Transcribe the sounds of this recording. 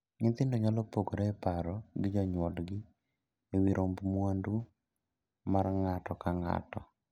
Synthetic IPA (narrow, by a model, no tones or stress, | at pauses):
ɲɪt̪ɪndɔɲalɔpoɡoɾɛɛpaɾɔɡɪd͡ʒɔɲwɔlɡɪ | ewiɾʔombmwandu | marŋatɔkaŋa̰tɔ